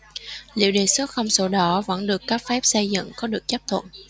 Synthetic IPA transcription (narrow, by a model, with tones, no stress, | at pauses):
lḭ˧˨əwɗe˨˩sə˦˥t̚xə˧wŋ͡mso˧˦ɗɔ˨˦və̰˧˥nɗɨ˨˩əkːaː˦˥k̚fɛ˦˥p̚sə˧jzə̰˧˨ŋkɔ˨˦ɗɨ˨˩ək̚t͡ɕə˦˥p̚t̪ʰwə̰˧˨n